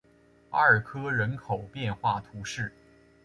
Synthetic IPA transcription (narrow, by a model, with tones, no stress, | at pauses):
pa̰˥ə˞˨˩kʰɤ˥ɻə˧˥nkʰo˨˩ʊpjɛ˥˧nxwa˥˩t̪ʰu˧˥ʂɻ̩˥˩